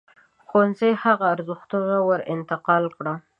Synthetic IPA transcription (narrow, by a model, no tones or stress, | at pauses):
xonzejhaɣaːɾzəxt̪əɣawəɾɪ̰nt̪ɪqɑlkɽa